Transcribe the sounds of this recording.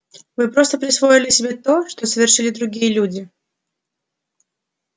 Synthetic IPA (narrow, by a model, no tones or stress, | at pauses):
vɨpɾo̞st̪əpɾʲɪsvo̞ɪlʲɪsʲɪbʲet̪o̞ʂt̪osəvʲɪrʂɨlʲɪd̪ɾʊɡʲijəlʲudʲɪ